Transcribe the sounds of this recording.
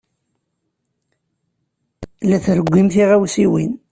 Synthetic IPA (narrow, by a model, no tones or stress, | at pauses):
læθɾəɡʷːimθiʁæwsiwḭn